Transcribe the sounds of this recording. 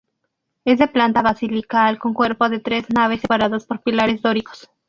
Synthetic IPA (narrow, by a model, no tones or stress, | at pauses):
e̞zðe̞plant̪aβasilikalko̞ŋkwe̞ɾpo̞ðe̞t̪ɾe̞znaβ̞e̞sepaɾaðaspo̞ɾpilaɾe̞zd̪o̞ɾiko̥s